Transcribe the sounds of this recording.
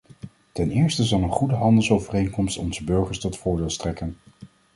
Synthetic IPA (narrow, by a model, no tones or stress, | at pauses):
tɛnɪːɹstəzɑlˠənχudəɦɑndəlˠsowvərejnkɔmstɔnzəbɵɹχəɹstɔtfʊːɹdɪːlˠstrɛkən